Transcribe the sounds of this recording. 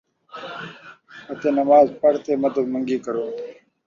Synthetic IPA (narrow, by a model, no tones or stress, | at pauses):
hɐt̪eːnɐmaːzpɐɽt̪eːmɐd̪əbmɐŋɡiːkɐɾoː